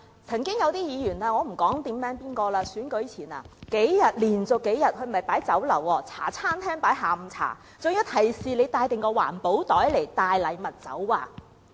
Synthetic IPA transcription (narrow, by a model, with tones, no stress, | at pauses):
t͡sʰɐ˨˩ŋkɪ˥ŋjɐ˨˧wt̪iː˥jiː˨˧jyː˨˩naː˧ŋɔː˨˧m̩˨˩kɔː˨˥ŋt̪iː˨˥mmɛː˨˥ŋpiː˥nkɔː˧laː˧syː˨˥nkɵ˨˥ɥt͡sʰiː˨˩na̰ː˧ke˨˥jjɐ˨t̚liː˨˩nt͡sʊ˨kːe˨˥jɐ˨t̚kʰɵ˧ɥm˨ɐ˨˩jpaː˨˥jt͡sɐ˨˥wlɐ˨˩wɔː˧t͡sʰa̰ː˨˩t͡sʰaː˥nt̪ʰɛː˥ŋpaː˨˥jɦaː˨˧m̩˧t͡sʰa̰ː˨˩ | t͡sɵ˨ŋjyː˨˧˥t̪ʰɐ˨˩jsiː˨˧le˨˧jt̪aː˧jt̪ɪ˨ŋkɔː˧wa̰ː˨˩npo˨˥wt̪ɔː˨˥jle˨˩jt̪aː˧jlɐ˨˧jmɐ˨t̚t͡sɐ̰˨˥waː˧